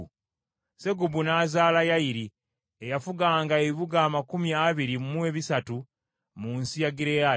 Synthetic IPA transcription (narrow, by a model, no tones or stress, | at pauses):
se̞ɡubunaːzaːlajaiɾi | ejafuɡaːŋɡaeiβuɡaːmakumjaβiɾimumue̞βisatu | muːnsijaɡiɾea